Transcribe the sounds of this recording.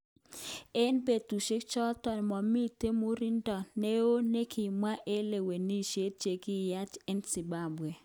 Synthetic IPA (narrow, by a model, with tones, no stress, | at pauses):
ɛ˦nbe˨tu˨ʃe˦kt͡ʃɔ˦tɔ˨n˨mɔ˨mi˦te˦mo˦ɾi˦ndɔ˨ne˦o˦ne˦kʰi˨mwa˦ʔe˦le˨we˨ni˦ʃe˦t͡ʃe˨kɪ˦ja˦t͡ʃɛ˦nsi˨ba˦bwe˨